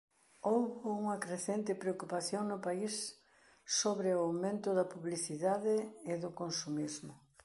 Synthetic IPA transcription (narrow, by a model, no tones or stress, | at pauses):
owβʊuŋɐkɾeθent̪ɪpɾeokupaθjoŋnʊpais | soβɾeoawmẽnt̪ʊðɐpuβliθiðaðɪːðʊkonsumizmʊ